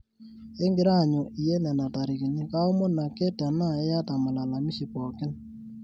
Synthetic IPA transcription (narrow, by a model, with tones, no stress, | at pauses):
e˦ŋɡɪ˨ɾa˦˨ɲɔ˨ʔi˨jɛ˦nɛ˨na˨ta˨ɾi˨ki˨ɲi˦ka˦ɔ˦mo˦na˨ke˦ta˨na˦ɛ˦ja˦ta˨ma˨la˨la˨mi˦ʃi˨pɔ˨kɪ˦n